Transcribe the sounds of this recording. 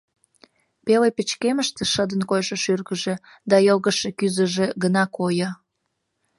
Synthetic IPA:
pelepət͡ɕkeməʃt̪eʃəd̪ənkojʃəʃyrɣəʒe | d̪ɑjolɣəʃekyzə̆ʒeɡənɑkojɑ

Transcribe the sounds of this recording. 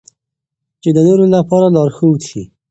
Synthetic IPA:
t͡ʃed̪ənoɾolapɑɾalɑɾxəw̪ʃi

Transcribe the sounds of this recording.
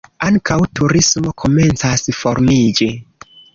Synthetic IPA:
aŋkawtʰuɾismo̞kʰo̞me̞nt͡sasfoɾmid͡ʒi

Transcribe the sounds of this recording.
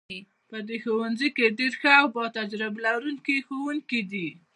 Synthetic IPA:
pəd̪exowanzikeɖeɾxəawbɑt̪ad͡ʒɾɪblaɾuŋkixowuŋkid̪i

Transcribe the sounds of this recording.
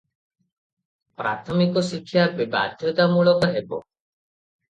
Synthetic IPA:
pɾa̰t̪ʰɔmikɔsikʰːjabiba̰d̪ʱjɔt̪amuɭɔkɔɦebɔ̰

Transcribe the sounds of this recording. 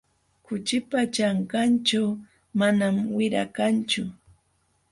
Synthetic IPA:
kʊt͡ʃɪpat͡ʃaɴkant͡ʃaw | manamwɪɾa̰kant͡ʃʊ

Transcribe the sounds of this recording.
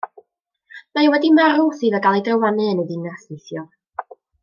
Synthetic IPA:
maɛwɛdimaɾʊθɨːðəɡalˠidrəwanɨənədɨnasɨθjɔ

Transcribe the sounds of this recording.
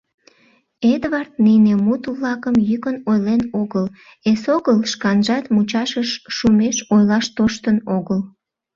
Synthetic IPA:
ed̪βɑrt̪̚ninemut̪βlɑkəmjykənojlenoɣəl | esoɣəlʃkɑnʒɑt̪mut͡ɕɑʃəʃːumeʃojlɑʃt̪oʃt̪ənoɣəl

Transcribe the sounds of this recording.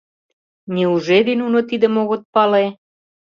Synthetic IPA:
nʲiuʒed̪inunot̪id̪ə̆moɣot̪̚pɑle

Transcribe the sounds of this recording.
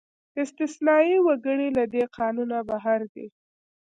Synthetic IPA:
ɪst̪ɪsnɑiwaɡəɽilad̪eqɑnunabaɦaɾd̪ḛ

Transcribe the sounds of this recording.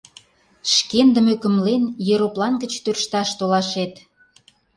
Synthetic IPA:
ʃkend̪ə̆møkə̆mlenjeɾoplɑnɡə̆t͡ɕt̪ørʃt̪ɑʃt̪olɑʃet̪

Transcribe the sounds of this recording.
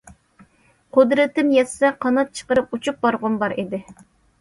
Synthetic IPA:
qʰʊd̪ɾɪt̪ɪmjɛssɛqʰɑnɨt̪̚t͡ʃʰə̥qəɾɨput͡ʃʰup̚bɑɾʁʊnbɑɾid̪ɪ

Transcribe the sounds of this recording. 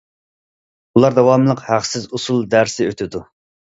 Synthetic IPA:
ulˠɑɾd̪ɛwɑmlˠəqhæχsɪzusulˠd̪æɾsɪøt̪ʰɪd̪u

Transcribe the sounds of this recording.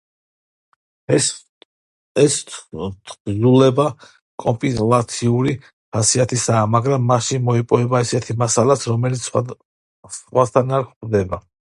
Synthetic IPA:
ɛsʼ | zulɛba | kʼɔmpʼilat̪sʰiuɾi | χasiat̪ʰisaːmaɡɾamːaʃinmɔipʼɔvɛbaisɛt̪ʰimasalasɾɔmɛlit̪s | χwat̪ʰanaɾχd̪ɛba

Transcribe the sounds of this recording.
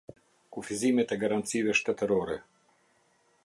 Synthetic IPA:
kufizimɛt̪ɛɡaɾant̪sivɛʃt̪ɛt̪əɾɔɾɛ

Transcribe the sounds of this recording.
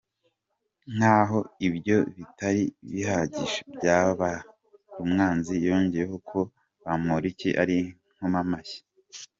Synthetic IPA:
n̥haːɦo̞ibjo̞βitaɾiβihaɟiʃebjaːβa | ɾumŋaːnzijoːɲɟejeɦo̞kʰo̞ | βamoɾiciʔaɾi | ŋ̥homamaje̥

